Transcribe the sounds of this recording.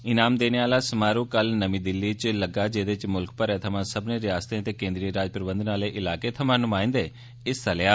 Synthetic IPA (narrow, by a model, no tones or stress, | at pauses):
ɪnaːmd̪eːneːaːlaːsəmaːɾũːkəlnəmiːd̪ɪlːiːt͡ʃləɡaːd͡ʒeːd̪et͡ʃmʊlk̚pəɾɛːt̪ʰəmãːsəbneːɾɪjaːst̪ẽət̪eːkẽːnd̪ɾiəɾaːd͡ʒpɾəbə̃nd̪ənaːleːʔɪlaːkeːt̪ʰəmãːnʊmãːɪ̃nd̪eː | ɪst̪əlaː